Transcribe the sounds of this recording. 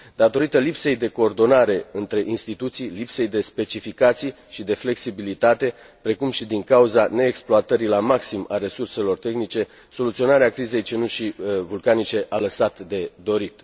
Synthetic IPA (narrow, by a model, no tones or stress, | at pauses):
d̪at̪o̞ɾit̪əlipse̞jd̪e̞ko̞ːrd̪o̞naɾe̞ɨnt̪ɾe̞ʔinst̪it̪ut̪sijlipse̞jd̪e̞spe̞t͡ʃifikat̪sij | ʃid̪e̞fle̞ksibilit̪at̪e̞ | pɾe̞kumʃid̪iŋkauzane̞ːksploat̪əɾilamaksimaɾe̞surse̞lo̞rt̪e̞xnit͡ʃe̞ | so̞lut̪sio̞naɾeakɾize̞jt͡ʃenuʃivulkanit͡ʃe̞ʔaləsat̪d̪e̞d̪o̞ɾit̪